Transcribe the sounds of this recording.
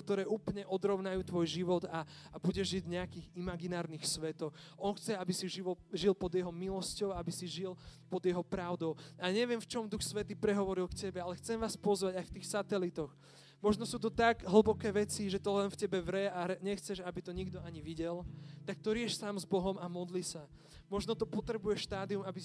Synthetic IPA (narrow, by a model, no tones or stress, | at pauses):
kt̪ɔɾɛːʔuːpl̩ɲɛʔɔd̪ɾɔʊnajuːt̪ʋɔjʒiʋɔd̪a | abuɟɛʒʒiɟɲɛakiːɣimaɡinaːɾniːxsʋɛt̪ɔ | ɔnxt͡sɛabisiʒiʋɔʒilpɔd̪jɛɦɔmilɔscɔʊaabisiʒilpɔd̪jɛɦɔpɾaʊd̪ɔʊaɲɛʋɪɛmft͡ʃɔmd̪uxsʋɛt̪iːpɾɛɦɔʋɔɾilkcɛbɛalɛxt͡sɛmʋaːspɔzʋaɟajft̪iːxsat̪ɛlit̪ɔx | mɔʒnɔsuːt̪ɔt̪aɡɦl̩ˠbɔkɛːʋɛt͡siʒɛt̪ɔlɛnfcɛbɛʋɾɛaɾɛɲɛxt͡sɛʒabit̪ɔɲiɡd̪ɔaɲiʋiɟɛlt̪ak̚t̪ɔɾɪɛʃsaːmzbɔɦɔmamɔd̪lisa | mɔʒnɔt̪ɔpɔt̪ɾɛbujɛʃt̪aːd̪iumabi